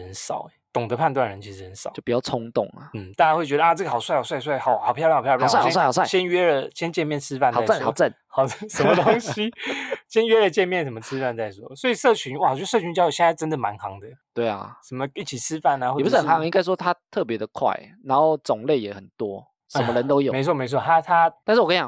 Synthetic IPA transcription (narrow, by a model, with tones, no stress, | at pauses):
ə˧˦nsɑ˨˩ʊ˦t̪ʊ˨˩ŋd̪ə˦pʰa˥˧nt̪wa˥˩nɻə˧˦nt͡ɕʰi˧˥ʂɻ̩˧˩hə˧˦nsɑ̰˨˦t͡ɕo˥˩pi˨t͡ɕɑ˥˩ʊt͡sʰʊ˥ŋt̪ʊ̰˥˩ŋɐ˩n̩˥˩t̪a˥ɻnwe˥˩t͡ɕɥɛ˧ɾə˧a˧˩ʈ͡ʂə˥˩ɡə˩xɑ˨˩ʊswa˥˩ɑ˨˩sa˥˩ɪ˩swa˥˩ɪxɑ˨˩ʊxɑ˨˩pʰjʰjʰsa˥˩˨sa˥˩˨swa˥˩ɕjɛ˦nɥɛ˥lə˨ɕjɛ˥nt͡ɕjɛ˥˧nmjɛ˥˨nt͡sʰɻ̩˦fa˥˧n˨˩˥t͡sxt͡sə˥˩n | xɑ˨ʊ˥ʂə˧˥nmə˧t̪o˥ŋɕi˧˦ɕjɛ˥nɥɛ˥lə˨t͡ɕjɛ˥˧nmjɛ˥˩nsʂə˧˩mə˧ʈ͡ʂʰɻ̩˥˦fa˥˧nt͡sa˥˩ɪswɔ˥˦swɔ˧˥i˨˩ʂɤ˥˩t͡ɕʰy˧˦nwa˨˩˨s̬ɤ˥˩t͡ɕʰy˧˦nt͡ɕjjo˧˩jɛ˥˧n˥a˥˧˥ʈ͡ʂə˥nd̪ə˨˩ma˧˦nxɑ˨˧˦ŋd̪ə˧t̪we˥˩ɪɐ̰˩ʂə˨˩nmə˦i˥˩t͡ɕʰi˨˩t͡sʰɻ̩˦˥fa˥˩na˧wpu˨˩˥xə˨˥˩ɦɑ˧˦ŋi˥ŋɡa˥ɪʂ̬wɔ˥t̪ʰa˦t̪ʰɤ˥˨˩p̬jɛ˧˦d̪ə˨˩˨kʰwa̰˥˩ɪna˧˦nxo˥˩ʊt͡sʊ˨˩ŋle˥˩ɪjɛ˨˩xə˨˩nt̪wɔ˦ | ʂə˨˦mə˧lə˨˦nt̪o˥ʊjo˨˩me˧ɪt͡sʰɔ˥me˧˥ɪt͡sʰwɔ˥˧t̪ʰa˥t̪ʰa˥t̪a˥˧nʂɻ̩˥˩˨kə˥jɑ̰˨